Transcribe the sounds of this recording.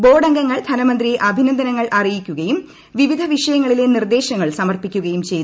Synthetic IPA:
bo̞ːɖɐŋɡɐŋːɐɭd̪ʱɐnɐmɐnd̪rijeʔɐbʱinɐnd̪ʱɐnɐŋːɐɭʔɐrijikʲːuɣɐjum | ʋiʋid̪ʱɐʋiʂɐjɐŋːɐɭile̞nird̪e̞ːɕɐŋːɐɭsɐmɐrpikʲːuɣɐjumt͡ɕe̞jt̪

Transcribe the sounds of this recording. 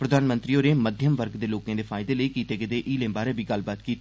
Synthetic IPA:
pɾəd̪ʱaːnmə̃nt̪ɾiːoːɾeːməd̪ʱjəmʋəɾɡd̪eːloːkãːd̪eːpʰaːɪd̪eːləiːkiːt̪eːɡɪd̪eːʔiːlẽːbaːɾeːbʱiːɡəlbaːt̪kiːt̪ː

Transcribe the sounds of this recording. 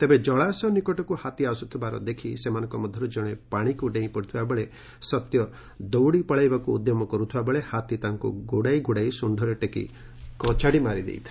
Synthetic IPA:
t̪ebed͡ʒɔɭasɔnikɔʈɔkuhat̪iasut̪ʰibaɾɔ̰d̪ekʰisemanɔŋkɔmɔd̪ʱːɔɾud͡ʒɔɽ̃epaɽ̃ikuɖẽĩpɔɽit̪ʰibabeɭe | sɔt̪jɔ | d̪owɽipɔɭajbakuːd̪jɔmɔkɔɾut̪ʰibabeɭehat̪it̪aŋkṵɡuɽajɡuɽajsuɳɖʱɔɾeʈekḭ | kɔt͡ʃaɽimaɾid̪ḛjt̪ʰḁ

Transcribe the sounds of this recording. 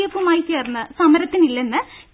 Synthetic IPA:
ɐfumaːjit͡ɕːeːrnːɨsɐmɐɾɐt̪ːinilːe̞nːɨ

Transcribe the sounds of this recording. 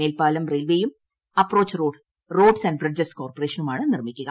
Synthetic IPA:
eːlpaːlɐmrejlʋeːjum | ɐpːro̞ːt͡ɕːroːɖ | ro̞ːɖsɐnɖbrɐd͡ʑɐskoːrpɐreːʂɐnumaːɳɨnirmikʲːuɣɐ

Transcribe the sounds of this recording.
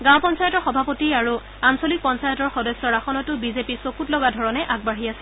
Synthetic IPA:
ɡãw̃pɔnsajɔtɔɹxɔbʱapotiaɹu | ansolik̚pɔnsajɔtɔɹxɔdɔsːɔɹaxɔnɔtʊbizepisokutlɔɡadʱɔɹɔnɛʔaɡ̚baɦiasɛ̥

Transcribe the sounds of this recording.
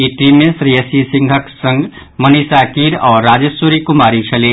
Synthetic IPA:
iʈɾimẽsɾiəsisɪ̃ŋɡʱəksə̃ŋɡ | mɐnisaːkiɾɔːɾːaːd͡ʒəsuɾikʊmaːɾit͡ʃʰɐle

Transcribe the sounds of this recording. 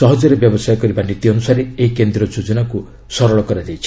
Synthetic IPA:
ɔɦɔd͡ʒɔɾebjɔbɔsajɔkɔɾibanit̪iɔnusaɾeeikend̪ɾɔd͡ʒod͡ʒɔnaku | sɔɾɔɭɔkɔɾad͡ʒejt͡ʃʰ

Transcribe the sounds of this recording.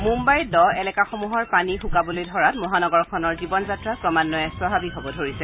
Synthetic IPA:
mumbajdɔɛlɛkaxɔmuɦɔɹpanixũkabɔlojdʱɔɹatmɔɦanɔɡɔɹkʰɔnɔɹzibɔnzatɹakɹɔmanːɔjɛswabʱabiɦɔbɔdʱoɹisɛ

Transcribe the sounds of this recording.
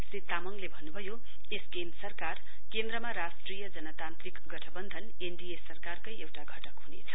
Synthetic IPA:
srit̪ːamʌŋlebʱʌnːubʱʌjo | eskemsʌrkar | kend̪ɾʌmaɾasʈrijʌd͡zʌnʌt̪ant̪rikɡʌʈʰʌbʌnd̪ʱʌn | eɳɖiesʌrkarkʌjewʈaɡʱʌʈʌkɦunḛt͡sʰʌ̥

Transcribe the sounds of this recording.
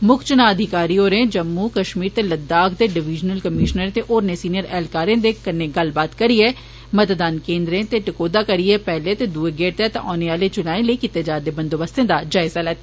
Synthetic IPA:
mʊkt͡ʃənaəd̪ʱɪkaːɾioɾẽːd͡ʒəmːuːkəʃmiːɾt̪eləd̪aːkʰd̪eːɖɪʋɪd͡ʒnəlkəmiːʃnəɾt̪eʔoːɾnẽːsiːnijəɾɛːlkaːɾẽːd̪ekəneːɡəlbaːt̪kəɾiɛː | mət̪d̪aːnkẽːnd̪ɾẽːt̪eʈɪkoːd̪aːkəɾiɛːpɛːlet̪ed̪uːeɡeːʈ̚t̪et̪ɔːneaːlet͡ʃʊnaːẽləikɪt̪ed͡ʒaːd̪eːbənd̪oːbəst̪ẽːd̪ad͡ʒaːɪzaːlɛːt̪ː

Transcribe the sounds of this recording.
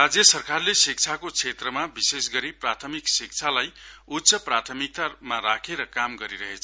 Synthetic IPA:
rad͡zjʌsʌrkarlesik̚t͡sʰakot͡sʰet̪rʌmabisesɡʌɾiprat̪ʰʌmiksik̚t͡sʰalajut̪ːsʰʌprat̪ʰʌmik̚t̪amaɾakʰeɾʌkamɡʌɾiɾʌɦet͡sʰʌ

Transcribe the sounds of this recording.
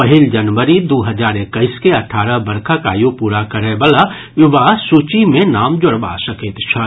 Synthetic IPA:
pɐɦɪld͡ʒɐnʋəɾid̪oːɦɐd͡ʒaːɾekːəɪskeɐʈʰaːɾəbɐɾkʰaka̰ːjupuːɾakɐɾebəla | jʊbaːsuːt͡ʃimẽnaːmd͡ʒʊɽba̰sɐket̪t͡ʃʰɐ

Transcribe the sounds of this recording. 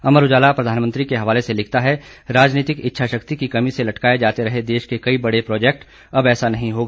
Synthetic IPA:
ɐməɾʊd͡ʒaːlapɾɐd̪ʱaːnmə̃nt̪ɾikeɦɐʋaːleselɪkʰt̪aɦɛɾaːd͡ʒniːt̪ɪkɪtːʃʰaʃɐkt̪ikikɐmiselɐʈkaːed͡ʒaːt̪eɾɐɦed̪eːʃkekɐibɐɽepɾɔːd͡ʒɛːk̚ʈ | ɐbɛːsanɐɦĩɦoːɡaː

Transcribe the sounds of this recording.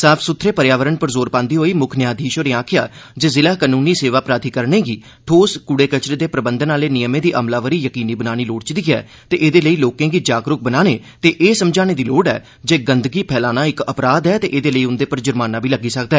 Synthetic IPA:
saːpʰsʊt̪ʰɾeːpəɾjaːʋəɾəɳpəɾzoːɾpãːnd̪iːɦoːiːmʊkʰnɪjaːd̪ʱiːʃoːɾiaːkʰɪja̰ː | d͡ʒezɪlaːkaːnuːniːseːʋaːpɾaːt̪ʰiːkəɾɳẽːɡiː | ʈʰoːskʊɽeːkət͡ʃɾeːd̪eːpɾəbənd̪ənaːleːnɪjəmẽːd̪iːʔəmlaːʋəɾiːjəkiːniːbənaːñiːloːɽt͡ʃɪd̪iːɛ̰ː | t̪eːʔeːd̪eːləiːloːkẽːɡiːd͡ʒaːɡɾʊk̚bənaːneː | t̪eːʔeːsəmd͡ʒaːneːd̪iːloːɖɛ̰ː | d͡ʒeːɡənd̪ɡiːpʰɛːlaːnaːɪkəpɾaːd̪ɦɛːt̪eːʔeːd̪eːləiːʊnd̪eːpəɾd͡ʒəɾmaːnaːbiːləɡiːsəkd̪aɛː

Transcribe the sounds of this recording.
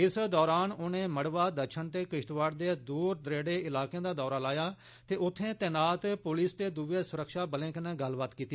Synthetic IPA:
ɪsd̪ɔːɾaːnoːnẽːməɽʋaːd̪ət͡ʃʰənt̪eːkɪʃʈ̪ʋaːɽd̪eːd̪uːɾd̪ɾeːɽeːɪlaːkejãːd̪aːd̪ɔːɾaːlaːjaː | t̪eːʔʊt̪ʰːẽːt̪ɛːnaːt̪pʊlɪst̪eːd̪uʋeːsʊɾəkʃaːbəlẽːkənẽːɡəlbaːt̪kiːt̪i

